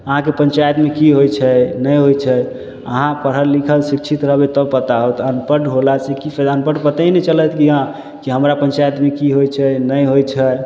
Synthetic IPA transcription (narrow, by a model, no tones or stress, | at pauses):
əɦãkepənt͡ʃajət̪mekiɦojt͡ʃʰɛnəjɦojt͡ʃʰɛ | əɦãpəɾ̤əɾlikʰəlsikt͡ʃʰit̪ɾəɦbet̪ɔbpət̪aɦot̪ʰənpəɖɦolasekifʰɛd̪ənpəɖpət̪əinɛt͡ʃəlɛt̪ʰkiɦã | kiɦəmɾapənt͡ʃajət̪mekiɦojt͡ʃʰɛnəjɦojt͡ʃʰɛ